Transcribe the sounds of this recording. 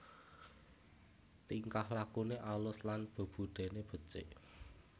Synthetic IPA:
t̪iŋkahlakuneʔalʊslanb̥o̤b̥ṳd̪̥e̤neb̥ə̤t͡ʃeʔ

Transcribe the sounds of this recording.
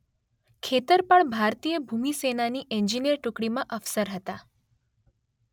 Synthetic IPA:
kʰet̪əɾpəɳbʱaɾt̪ijəbʱumisenaniʔɛɲd͡ʒinijəɾʈukɽimãʔəfsəɾɦət̪a

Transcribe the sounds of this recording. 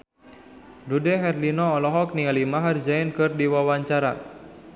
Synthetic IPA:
dudɛɦɛrlinɔːlɔɦɔk̚niŋalimaɦard͡ʒaɪnkɨrdiwawaɲt͡ʃaɾa̰

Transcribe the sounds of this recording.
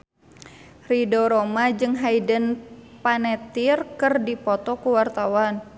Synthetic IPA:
ridoɾomad͡ʒɨŋɦajdənpanɛt̪irkɨrdipɔt̪ɔkuwart̪awan

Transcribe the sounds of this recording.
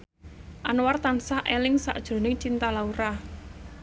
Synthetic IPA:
ʔanwart̪ansaʔelɪŋsa̰ʔd̥ʒ̥o̤nɪŋt͡ʃint̪alauɾa

